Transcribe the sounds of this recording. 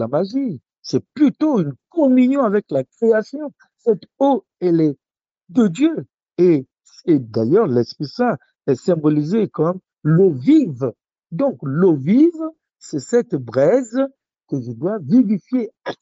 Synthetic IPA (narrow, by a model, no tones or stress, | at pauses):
lamaʒi | sɛplyt̪oynkɔmynjɔ̃avɛklakχeasjɔ̃ | sɛt̪o | ɛlɛ | d̪əd̪jø | e | sɛd̪ajœʁlɛspχisɛ̃ | ɛsɛ̃bɔlizekɔm | loviv | d̪ɔ̃kloviv | sɛsɛt̪bʁɛz | kəʒəd̪wavivifjea